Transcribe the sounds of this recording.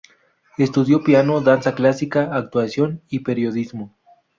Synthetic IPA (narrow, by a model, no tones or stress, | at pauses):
e̞st̪uðjo̞pjano̞ðansaklasikaːk̚t̪wasjo̞nipe̞ɾjo̞ðizmo